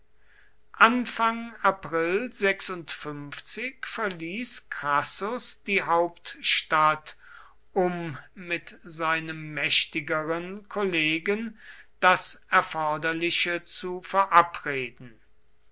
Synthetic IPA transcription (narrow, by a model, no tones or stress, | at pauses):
ʔanfaŋapʁ̥ɪlzɛksʊntfʏmft͡sɪkfɛɐliːskʁasʊsd̥iːɦaʊptʃtat | ʔʊmmɪtzaɪnəmːɛʃtɪɡəʁənkʰoleːɡənd̥asɛɐfɔɐdɐlɪʃət͡sufɛɐʔapʁeːdn̩